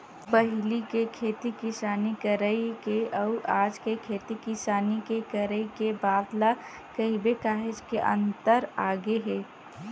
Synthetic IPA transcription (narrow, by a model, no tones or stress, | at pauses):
bəɦlikekʰeːt̪ikɪsaːnikəɾəikeʔəʊʔaːd͡ʒkekʰeːt̪ikɪsaːnikekəɾəikebaːd̪la | kəɦibekaːɦɪd͡ʒkeʔə̰̃nt̪əɾaːɡeɦɛː